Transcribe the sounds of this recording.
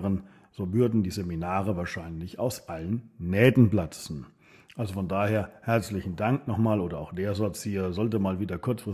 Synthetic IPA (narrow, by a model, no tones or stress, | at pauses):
ʁən | z̥oːvʏɐdn̩diːzeminaːʁ̞əvaːɐʃaɪnlɪça̰ʊsʔalənːɛːdn̩blat͡sn̩ | ʔalzofɔndaːheːɐhɛɐt͡slɪçn̩daŋknɔχmaːloːdɐaʊxd̥eːɐzɔɐt͡shiːɐzɔlt̬əmaːlviːdɐkʰʊɐt͡sfʁ̥ɪs